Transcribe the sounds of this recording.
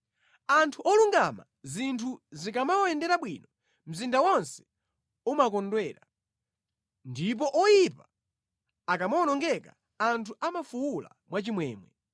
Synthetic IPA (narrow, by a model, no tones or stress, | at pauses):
antʰuʔɔluŋɡama̰ | zintʰuzikamawɔjɛndɛɾaɓwinɔ | m̩zindawɔnsɛ̥ | umak̬ɔndwɛːɾa | ndip̬ɔʔɔjipa | akamawɔnɔŋɡɛka | antʰuʔamafuwula̰mwat͡ʃimwɛːmwɛ̰